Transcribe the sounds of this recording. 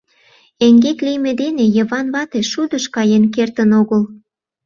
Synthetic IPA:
eŋɡet̪lijmed̪enejəβɑnβɑt̪eʃud̪əʃkɑjenk̬ert̪ənoɣəl

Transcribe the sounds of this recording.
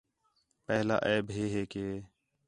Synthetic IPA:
pɛːla̰ːʔɛːbɦeːɦeːkeː

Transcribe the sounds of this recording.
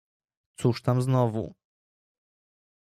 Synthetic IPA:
t̪suʂt̪amznɔvṵ

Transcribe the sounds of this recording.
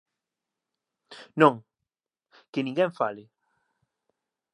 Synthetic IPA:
nõŋ | kenĩŋɡɛɱfalɪ

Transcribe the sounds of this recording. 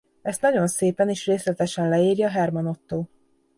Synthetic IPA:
ɛst̪nɒɟo̞nseːpɛniʃreːslɛt̪ɛʃɛnlɛiːrjɒːɦɛrmɒno̞t̪ːoː

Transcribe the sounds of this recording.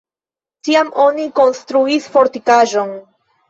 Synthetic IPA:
tiamo̞niko̞nstɾuisfo̞ɾtikaʒo̞n

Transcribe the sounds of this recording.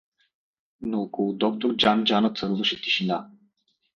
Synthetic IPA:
nɔːkoud̪ɔk̚t̪uɾd͡ʒand͡ʒanət̪səɾlˠuʃit̪i̥ʃina

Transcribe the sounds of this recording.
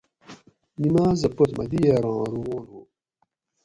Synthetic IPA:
nimaːzɐpot̪mɐ̰d̪ijeɾɑ̃ːɾuwoːnuː

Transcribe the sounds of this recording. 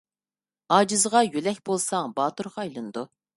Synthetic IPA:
ɑːd͡ʒɨzəʁɑjylɛkʲbolˠsɑŋbɑːt̪uɾʁɑːjlˠɨnɨd̪u

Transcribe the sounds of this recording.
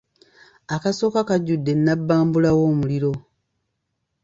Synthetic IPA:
akaso̞ːkakaɟːudːe̞nːabːaːmbulawo̞ːmuliɾo̞

